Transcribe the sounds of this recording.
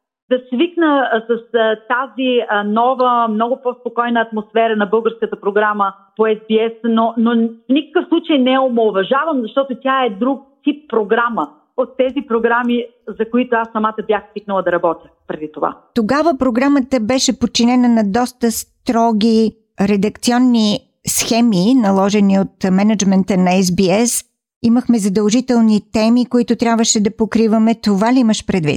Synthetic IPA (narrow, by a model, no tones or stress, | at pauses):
d̪ɐsviknəsɐst̪azinɔvəmnɔɡʊpɔspokɔjnəːt̪mosfɛɾənɐbɤlˠɡəɾskət̪əpɾoɡɾaməpoɛzbiɛsnonofnʲikə̥kəfslˠut͡ʃəjnɛomoːvɐʒavəmzɐʃt̪ɔt̪ot̪ʲaɛd̪ɾuk̚t̪ip̚pːɾoɡɾamə | ot̪ːɛzipɾoɡɾami | zɐkoit̪oasːɐmat̪əbjaxsvik̚nəlˠəd̪ɐɾɐbɔt̪ʲjəpɾɛd̪it̪ova̰t̪oɡavəpɾoɡɾamət̪əbɛʃɛpot̪̚t͡ʃːinɛnənɐd̪ɔst̪əst̪ɾɔɡʲi | ɾɛd̪ɐkt̪siɔnːi | sxɛminɐlˠɔʒɛniot̪mɛnɐd͡ʒmɛnt̪ənɐɛsbiɛs | iməxmɛzɐd̪əlˠʒit̪ɛlˠnit̪ɛmikoit̪ot̪ɾʲjabvəʃɛd̪ɐpokɾivɐmɛt̪ovaliiməʃpɾɛd̪vḭt̪